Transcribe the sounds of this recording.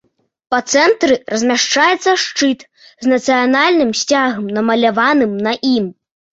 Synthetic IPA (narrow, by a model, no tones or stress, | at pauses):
pɐt̪sɛnt̪ɾɨrɐzʲmʲaʂt͡ʂajɛt̪sːɐʂt͡ʂɨt̪ | znɐt̪sɨjanalʲnɨmsʲt͡sʲaɣɐmnɐmɐlʲavanɨmnɐʔim